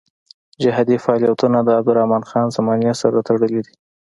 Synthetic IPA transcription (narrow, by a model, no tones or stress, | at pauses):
d͡ʒaɦɑd̪ifaɑlijat̪unad̪əab̚d̪ʊɾahmɑnxɑnzamɑnjasaɾat̪aɽəlid̪i